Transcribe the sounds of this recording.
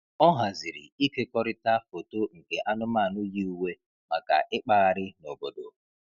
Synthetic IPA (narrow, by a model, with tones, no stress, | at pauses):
ɔ˦ɦa˨zɪ˨ɾɪ̰˨i˦ke˦kɔ˦ɾɪ˦ta˦fo˨to˦ŋ̩˨ke˨ʔa˦nʊ˦ma˦˨nʊ˦ji˦u˦we˦ | ma˨ka̰˨ʔɪ˦k͡pa˦a˨ɾɪ˦no˨bo˨do̰˨